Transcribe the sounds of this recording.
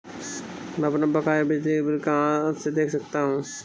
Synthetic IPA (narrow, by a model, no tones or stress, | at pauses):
mɛ̃ɐpnabɐkaːjbʱid̪ebɪlkaãsed̪eːkʰsɐk̚t̪aɦũ